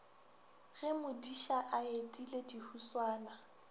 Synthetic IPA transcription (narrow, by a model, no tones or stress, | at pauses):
ɣɛmʊdiʃaʔaedʼiledihuswaːna